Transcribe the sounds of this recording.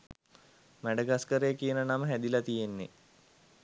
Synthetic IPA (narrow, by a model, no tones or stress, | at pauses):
mæɖəɡaskəɾejːkijənənaməɦæd̪ilat̪ijenːḛ